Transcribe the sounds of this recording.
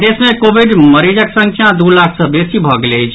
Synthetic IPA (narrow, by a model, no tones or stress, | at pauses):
d̪esmekobʱiɖməɾid͡ʒəksə̃ŋkʰjãd̪ulakʰsʌbesibʱʌɡeləjt͡ʃʰ